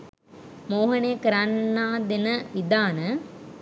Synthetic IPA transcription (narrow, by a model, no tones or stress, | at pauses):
moːɦɐnejkəɾanːaːd̪enəʋid̪aːnə